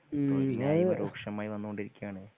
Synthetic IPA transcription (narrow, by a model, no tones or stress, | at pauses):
aːjeoɾo̰ːkʂɐmaːjiʋɐnːukoɳɖiɾikʲːujaːɳɨ